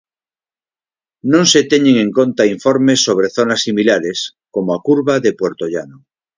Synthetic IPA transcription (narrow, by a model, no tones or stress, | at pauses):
nõŋset̪eɲeŋẽŋko̞nt̪aiɱfoɾmesːo̞β̞ɾe̞θo̞nasːimilaɾes | komoakuɾβaðepweɾt̪oʎano